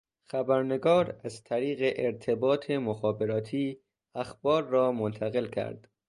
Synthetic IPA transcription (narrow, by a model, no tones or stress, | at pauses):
xæbæɾne̞ɡɒːɾæzt̪ʰæɾiːɣeʔeɾt̪ʰe̞bɒːt̪ʰe̞moxɒːbe̞ɾɒːt̪ʰiː | æxb̥ɒːɾːɒːmont̪ʰæɣe̞lkʰæ̰ɾd̪̥